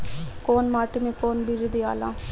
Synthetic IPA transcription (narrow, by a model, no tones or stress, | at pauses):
koːnmaːʈimẽkoːnbiɾid̪iːa̰ːlã̰ː